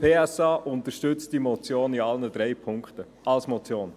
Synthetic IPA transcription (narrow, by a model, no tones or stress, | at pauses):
pʰeːɛsɑːʔʊnt̪əʃtʏt͡std̥imɔt͡sjoːniɑlnəd̪ɾɛjpʰʊŋkχt̪ə | ʔɑlsmɔt͡sjoːn